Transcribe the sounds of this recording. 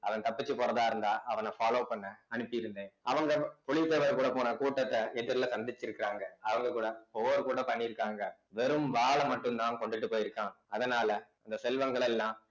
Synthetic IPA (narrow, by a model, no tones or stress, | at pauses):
ɐʋɐnt̪ɐpːɪt͡ʃːɯpoːɾɐðaːɪɾɯnd̪aːʔɐʋɐnɐfaːloːpɐɳːɐɐnɯpːɪjɪɾɯnd̪ẽːɐʋɐŋɡɐpɔɭɪpeːʋɐɾkuːɽɐpoːnɐkuːʈːɐt̪ːɐɛðɪɾlɐsɐnd̪ɪt͡ʃːɪɾɯkːɪɾaːŋɡɐɐʋɐŋɡɐkuːɽɐpoːʋɐɾkuːɽɐpɐɳːɪɪɾɯkːaːŋɡɐʋɛɾɯmʋaːɭɐmɐʈːɯmt̪ãːnkɔɳɖɪʈːɯpːoːjɪɾɯkːãː | ɐðɐnaːlɐɐnd̪ɐsɛlʋɐŋɡɐɭɛlːãː